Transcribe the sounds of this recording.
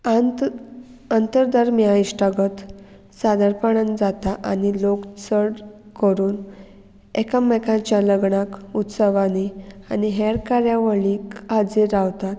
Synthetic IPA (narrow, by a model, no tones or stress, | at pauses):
ant̪əɾd̪aɾmjaiɕʈaɡət̪ | sad̪əɾpaɳənd͡zat̪aʔanilokt͡səɽ | kəɾuːn | ɛkamːɛkãt͡ɕjaləɡɳakut̪səʋaneaniɦɛɾkaɾjaʋəɭikad͡zeɾaʋt̪at̪